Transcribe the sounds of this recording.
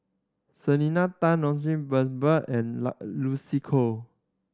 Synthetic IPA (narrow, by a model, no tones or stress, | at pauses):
səninat̪ãnɔ̃nsĩbəsbəɛ̃nlusikʰo